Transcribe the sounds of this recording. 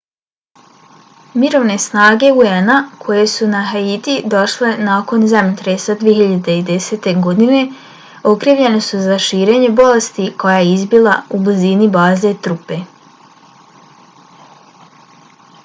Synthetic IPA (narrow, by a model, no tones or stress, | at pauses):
miɾo̞ʋne̞snaːɡe̞uenakʰo̞je̞sunaɦait̪id̪o̞ʃle̞naːko̞nzamt̪ɾesad̪ijeçiʎad̪eid̪e̞se̞ːt̪e̞ɡo̞d̪ine̞ | o̞kɾiːʋʎe̞ne̞suzaʃiːɾeːɲe̞bo̞le̞st̪iko̞jajeizbilˠaublizinibaːze̞t̪ɾupe̞